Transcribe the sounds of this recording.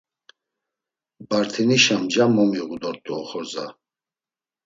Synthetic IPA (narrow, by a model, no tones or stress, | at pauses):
baɾt̪ʰiniʃamd͡ʒamɔmiɣud̪ɔɾt̪ːuɔχɔɾza̰